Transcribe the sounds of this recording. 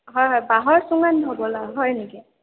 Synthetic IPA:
ɦɔjɦɔjbaɦɔɹsuŋanʱɔbɔlaɦɔjniki

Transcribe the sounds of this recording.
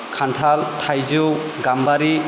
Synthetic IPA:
kʰantʰaltʰajzɯw | ɡambaɾi

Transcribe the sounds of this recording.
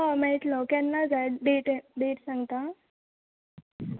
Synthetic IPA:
ɔmɛ̃t̪lɔkjãnːad͡zajɖeʈɖeʈsãŋɡt̪a

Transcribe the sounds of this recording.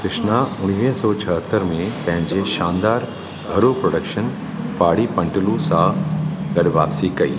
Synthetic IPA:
kɾɪʃnaʊɽ̃iʋiɦsɔːt͡ɕʰɐɦət̪ːəɾmẽpɐ̃ɦɪ̃ɲd͡ʑeʃaːnd̪aːɾ | ɡʱɐɾopɾoːɖəkʃən | paːɽipɐ̃ɳʈɪlusãɡɐɗʋa̰ːpsikɐḭː

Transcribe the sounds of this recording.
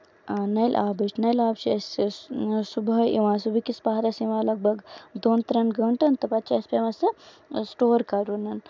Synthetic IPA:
nɐjlʔaːbɐt͡ʃnɐjlaːbt͡ʃʰiɐs | subʱɐḭʋãsubʱikispaɦɾɐsiʋãːlɐɡ̚bʱɐɡd̪oːnt̪ɾɐnɡɐɳʈɐnt̪ɐpɐt̪t͡ʃʰiɐspʲeʋɐsɐ | sʈoːɾkaɾunɐn

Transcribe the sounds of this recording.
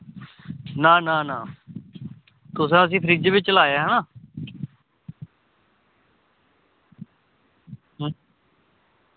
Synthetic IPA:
nãːnãːnãː | t̪ʊs̬ãːəs̬ĩːpʰəɾiːd͡ʒʋɪt͡ʃlaːjaːɦənaː | ɦ

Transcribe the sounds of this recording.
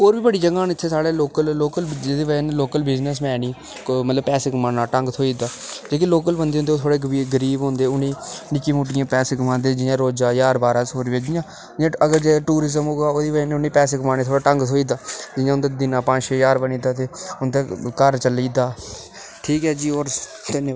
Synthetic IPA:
oːɾbiːbəɽiːd͡ʒəɡɡãːnɪt̪ʰːeːsaːɽeːloːkəlloːkəld͡ʒeːd̪eːʋəneloːkəlbɪznəs̬mɛːɽiː | mət̪ləbpɛːseːkmaːnaːʈəŋɡt̪ʰoːiːd̪aːd͡ʒeːk̬ɪloːk̬əlbənd̪eːõnd̪eoːt̪ʰoːɽeːɡiːɡəɾiːbɦõːnd̪eːʊniːnɪkiːmuːʈ̬ɪjãːpɛːseːkmãːnd̪eːd͡ʒɪjãːɾoːd͡ʒaːjaːɾbaːɾaːsoːɾːeːd͡ʒɪjãː | ãːəɡəɾd͡ʒeːʈuːɾɪzəmɦoːɡaːoːd̪iːʋənʊniːpɛːseːkmaːneːt̪ʰoːɽaːʈə̃ŋɡt̪ʰoːiːd̪aːd͡ʒɪjãːʊnd̪ed̪ɪnãːpãːt͡ʃeːjaːɾbəniːd̪aːt̪eːʊnd̪eːkəɾt͡ʃəliːd̪aː | ʈʰiːkɦɛːd͡ʒiːoːɾ | t̪ɪne

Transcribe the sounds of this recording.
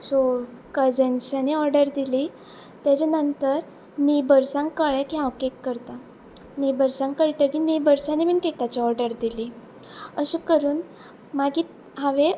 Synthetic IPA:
sokəd͡zənsaneɔɾɖəɾd̪ili | t̪jat͡ɕanənt̪əɾ | nibəɾsãŋkkəɭekiɦãwkekːəɾt̪a | nibəɾsãŋkəɾʈ̪əkinibəɾsaniminkekat͡ɕiɔɾɖəɾd̪ili | əɕikəɾuːn | maɡiː | ɦãʋe

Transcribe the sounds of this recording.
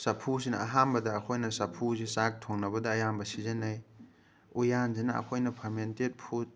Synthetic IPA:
sɐpʰus̬inɐɐɦambɐdɐːkʰojnɐsɐpʰusisak̚tʰoŋnɐbɐdɐːjambɐsizenaj | ujanzinɐɐ̰kʰojnɐpʰɐmentet̚pʰut̚

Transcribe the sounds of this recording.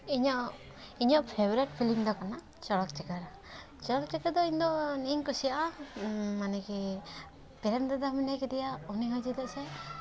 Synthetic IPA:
iɲɔʔ | iɲɔʔpʰebɾɛʈ̚pʰiliŋd̪ɔkana | t͡ʃɔɽɔk̚t͡ʃɛkaɾ | t͡ʃɔɽɔk̚t͡ʃɛkaɾd̪ɔiɲd̪ɔniɲkusijaʔa | manɛki | pɛɾɛnd̪ad̪aminajkɛd̪ɛjauniɦɔd͡ʒid̪aʔsɛ

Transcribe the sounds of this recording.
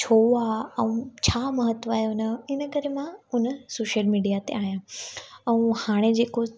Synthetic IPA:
t͡ɕʰoaːɛ̃ũt͡ɕʰaːməɦət̪ʋaːɦeʊnəɪnəkəɾemãʊnəsoːʃəlmiːɖijat̪ḛaːɦijãɛ̃ũhaːɽ̃ed͡ʑeːko

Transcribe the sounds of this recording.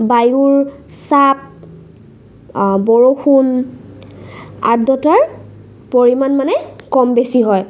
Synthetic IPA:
bajuɹsap̚ | bɔɹoxun | a̰dɔtaɹ | poɹimanmanɛkɔmbesiɦɔj

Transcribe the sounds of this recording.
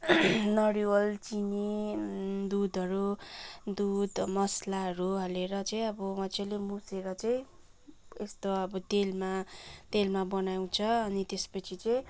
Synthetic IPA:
nʌɽiwʌlt͡sini | d̪ud̪ʱʌɾud̪ud̪mʌslaɦʌɾuɦʌleɾʌt͡sʌĩʌbʌmʌt͡sʰalemuseɾʌt͡sʌj̃ | est̪oʌbʌt̪elmat̪elmabʌnaw̃t͡sʰʌːnit̪espʌt͡sʰit͡sʌĩ

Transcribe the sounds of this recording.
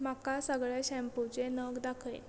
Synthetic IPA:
makasəɡɭjaɕɛ̃mput͡ɕenəɡd̪akʰəj

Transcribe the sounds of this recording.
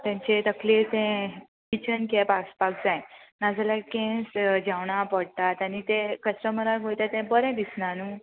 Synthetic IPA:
t̪jãɲt͡ɕet̪əkʰlet̪ɛ̃ | kit͡ɕənkɛpaspak̚d͡zajnad͡zalakɛ̃sd͡ʑawɳapəɽt̪at̪anit̪ekəsʈəməɾaɾɡʱojt̪at̪ɛ̃bəɾɛ̃d̪isnanu

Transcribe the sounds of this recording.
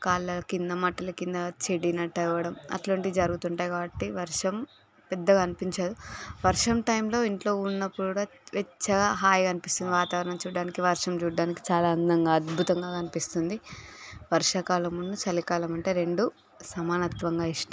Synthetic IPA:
kaːlːɐɐkind̪ɐmɐʈɐlɐkind̪ɐt͡ʃeɽinɐʈːɐiʋɐɽɐmɐ̰ʈlɐɳʈid̪id͡ʒɐɾuɡut̪uɳʈaːjɡaːbɐʈːiʋɐɾʂɐm | pɛd̪ːɐɡɐnipiɲt͡ʃaːd̪uʋɐɾʂɐmʈɐjmlo̞ːiɳʈlo̞ːunːɐpːuɽaːʋet͡ʃːɐɡaːɦaːjkɐnipist̪und̪iʋaːt̪aːʋɐɾɐɳɐmt͡ʃuːɖaːnikiʋɐɾʂɐmt͡ʃuːɽaːniki̥t͡ʃaːlaːnd̪ɐŋɡaːɐd̪bʱut̪ɐŋɡaːkɐnipist̪und̪iʋɐɾʂɐkaːlɐmunːut͡ʃɐlikaːlɐmɐɳʈe̞ːɾe̞ɳɖu | sɐmaːnɐt̪ʋɐŋɡaːiʂʈɐ

